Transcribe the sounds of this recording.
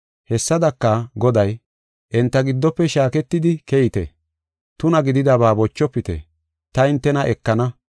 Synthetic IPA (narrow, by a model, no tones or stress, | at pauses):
hɛsːɐd̪ɐkːɐɡɔd̪ɐj | ʔɛnt̪ːɐɡɪd̪ːɔpːɛʃaːkɛt̪ːɪd̪ɪkɛjɪt̪ɛ̰ | t̪ʊnɐɡɪd̪ɪd̪ɐβaːbɔt͡ʃːɔpːɪt̪ɛ̰ | t̪ɐɪnt̪ːɛnɐʔɛkːɐnɐ